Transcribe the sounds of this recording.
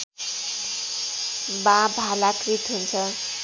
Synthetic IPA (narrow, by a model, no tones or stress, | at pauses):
bãbʱalakrit̪ɦunt͡sʰʌ